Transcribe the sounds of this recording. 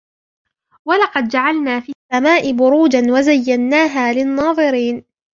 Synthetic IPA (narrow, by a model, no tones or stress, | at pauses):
walɑqɑd̪̚d͡ʒaʕalnaːfisːamaːʔɪbʊɾuːd͡ʒanwazajːanːaːɦaːlɪnːɑːðˤɨɾiːn